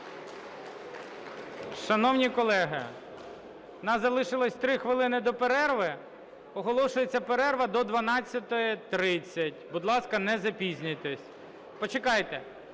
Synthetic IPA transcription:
ʃɐnɔwnʲikɔlˠɛɦɪ̰ | ɔnɑzɐlˠɪʃɪlˠɐsʲt̪ɾɪxʋɪlˠɪnɪd̪ɔpeɾɛrʋɪ | ɔɦɔlˠɔʃʊjet͡sʲːɐpeɾɛrʋɐd̪ɔd̪ʋɐnɑt͡sʲːɐt̪ɔjit̪ɾɪt͡sʲːɐtʲbud̪lˠɑskɐnɛzɐpʲizʲnʲʊjt̪ɛsʲ | pɔt͡ʃekɑjt̪ɛ

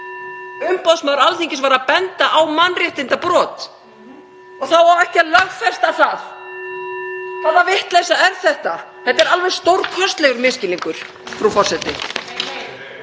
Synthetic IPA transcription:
ʏmpɔðsmawɾalθiŋcɪsvaːɾaðpɛnt̪aʔawmanːrjɛht̪ɪnt̪apɾɔːt̪ | ɔθawaɛhcɪalœɣfɛst̪aθaθ | θaðavɪht̪lɛsaɛɾθɛht̪aθɛt̪ɛɾalvɛðst̪owɾ̥kʰvœst̪lɛɣʏɾmɪscɪliŋkʏɾ̥ | fɾawfɔr̥sɛt̪ɪ

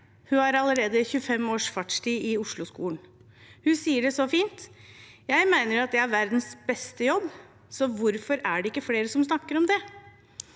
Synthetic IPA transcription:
hʉɑɾɑləɾeːd̪əçʉfɛmoːʂfɑʈʂʈiːɪʊʂlʊskṵːn | hʉsiːəɖɛsɔfiːnt̪jæɪmæɪnəɾɑt̪̚d̪ɛæɾʋæɾd̪n̩sbɛst̪əjɔbː | sɔʋʊɾfɔɾæɖɛɪkːəfleːɾəsɔmsnɑkːəɾɔmd̪ɛ

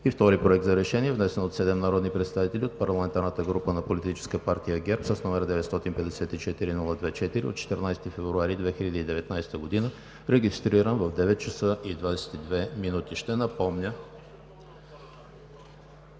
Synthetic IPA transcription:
ift̪ɔɾipɾoɛk̚t̪zɐɾɛʃɛniɛvnɛsɛnot̪sɛd̪ɛmnɐɾɔd̪nipɾɛt̪st̪avit̪ɛlʲiot̪̚pɐɾlˠɐmɛnt̪aɾnət̪əɡɾupənɐpolit̪it͡ʃɛ̥skəpaɾt̪ijəɡʲɛɾpsəsnɔmɛɾəd̪ɛvɛt̪st̪ɔt̪inpɛd̪ɛsɛt̪it͡ʃɛt̪iɾinulˠəd̪vɛt͡ʃɛt̪iɾio̰t̪t͡ʃɛ̥t̪əɾnajsɛ̥t̪ifɛvɾuaɾid̪vɛxilʲəd̪əid̪ɛvɛt̪najsɛ̥t̪əɡod̪inə | ɾɛɡist̪ɾiɾənvɐvd̪ɛvɛt̪̚t͡ʃɐsəʔid̪vad̪ɛsɛ̥t̪id̪vɛminut̪iʃt̪ɛnɐpɔmnʲə

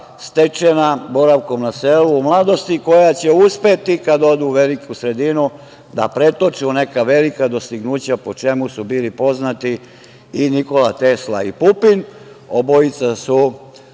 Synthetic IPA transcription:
st̪e̞t͡ʃenaboɾaʋko̞mnaseluːmlˠad̪o̞st̪iko̞jat͡ɕeuspet̪ikad̪o̞d̪uʋe̞likusɾe̞d̪inu | d̪a̰pɾe̞t̪o̞t͡ʃiune̞kaʋe̞likad̪o̞st̪iɡnuːt͡ɕapot͡ʃe̞musubiːlipo̞znat̪iː | niko̞lat̪esla̰ipupin | o̞boit̪sasu

